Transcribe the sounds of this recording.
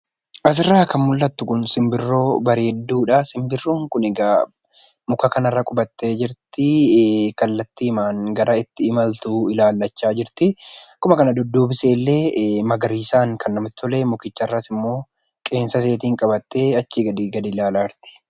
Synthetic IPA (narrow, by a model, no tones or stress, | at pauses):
ʔɐs̬ɪrːaːkːɐmʊlːɐt̪ːʊkʊnsɪmbɪrːo̞ːbɐɾeːd̪ːuːᶑasɪmbɪrːuːŋkʊnɛɡa | mʊkɐkɐnɐrːɐkʼʊbɐt̪ːe̞ːd͡ʒɪɾt̪ɪkɐlːɐt̪ːiːmaːŋɡɐɾɐɪt̪ːɪːmɐlt̪uːɪlaːlːɐt͡ʃːaːd͡ʒɪɾt̪ɪkʊmɐkɐnɐd̪ɔd̪ːo̞ːbɪse̞ːlːe̞ːmɐɡɐɾiːsaːŋkʰɐnːɐmɪt̪ɪ̥t̪ɔleːmʊkɪt͡ʃːɐrːɐsɪmːo̞ː | kʼe̞ːnsɐse̞ːt̪iːŋkʼɐbɐt̪ːe̞ːɐt͡ʃːiɡɐd̪iːɡɐd̪ɪlaːlaːɾt̪ɪ̥